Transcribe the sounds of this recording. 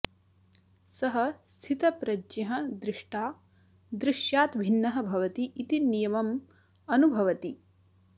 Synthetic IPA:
sɐɦɐ̆st̪ʰit̪ɐpɾɐd͡ʒɐɦɐ̆d̪ɾɪʂʈʰaː | d̪ɾɪʃjaːt̪bʱinːɐɦɐ̆bʱɐʋɐt̪iʔːt̪inijɐmɐm | ɐnubʱɐʋɐt̪i

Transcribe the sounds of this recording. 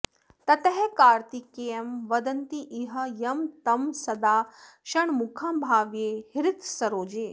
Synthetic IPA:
t̪ɐt̪ɐɦɛkaːɾt̪ikeːɐmʋɐd̪ɐnt̪iʔiɦɐjɐmt̪ɐmsɐd̪aː | ʃɐɳmukʰãːmbʱaːʋjeːhiɾɪt̪sɐɾoːd͡ʒeː

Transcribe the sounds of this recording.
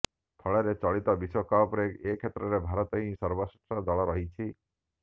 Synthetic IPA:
t̪ʰɔɭeɾet͡ʃɔɭit̪ɔbisɔkapɾeɡekʰet̪ɾɔɾebʱaɾɔt̪ɔɦĩsɔɾbɔsiɔd̪ɔɭɔɾɔɦit͡ʃʰi

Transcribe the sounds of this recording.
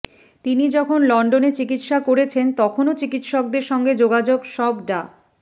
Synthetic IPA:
t̪inid͡ʑɔkʰonlɔɳɖonet͡ɕikit̪ʃakoɾet͡ɕʰent̪ɔkʰonot͡ɕikit̪ʃɔk̚d̪eɾʃɔŋɡed͡ʑoɡad͡ʑoɡʃɔbɖa

